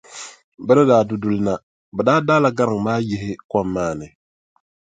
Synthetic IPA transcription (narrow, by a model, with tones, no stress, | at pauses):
bɛ˦nɨ˦daː˨dʊ˨dʊ˨lna˨ | bɛ˨daː˦daː˦la˨ɡa˦ɾɨ˨ŋ˨maː˦je˨hɪ˦kʷɔ˦mːaː˦˨nɨ˨